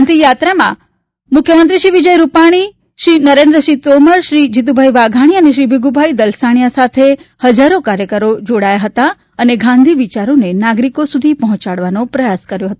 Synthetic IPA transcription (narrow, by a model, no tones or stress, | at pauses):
ant̪ijat̪ɾamã̰ | mʊkʰjəmənt̪ɾiʃiʋid͡ʒəjɾupaɽ̃i | ʃɾinəɾẽnd̪ɾəʃit̪oməɾʃɾid͡ʒit̪̬ubʱajʋaɡʱaɽ̃iəneʃɾibʱiɡubʱajd̪əlsaɳ̃jasat̪ʰehəd͡ʒaɾokaɾjəkəɾod͡ʒoɽajaɦət̪a | əneɡʱãnd̪ʱiʋit͡ʃaɾonenaɡɾikosud̪ʱipəɦɔ̃t͡ʃaɽʋanopɾəjaskəɾjoɦət̪o